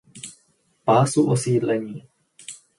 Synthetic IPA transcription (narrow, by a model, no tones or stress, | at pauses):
paːsuʔosiːdlɛɲiː